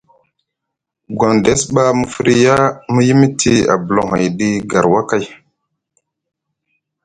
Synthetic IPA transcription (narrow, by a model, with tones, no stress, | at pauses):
ɡʷo˨nde˦sɓa˦mu˨fi˦ɾi˦ja˦mu˦ji˦mi˦tʰi˦a̰˨bə˨lo˨ɦa˨jɗi˦ɡa˨ɾwa˦ka˦˨j